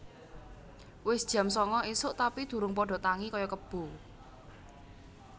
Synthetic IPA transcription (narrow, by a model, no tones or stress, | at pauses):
wɪsd̥ʒ̥ä̤msɔŋɔisʊʔt̪apid̪̥ṳɾʊŋpɔɖ̥ɔ̤t̪aŋikɔjɔkəb̥o̤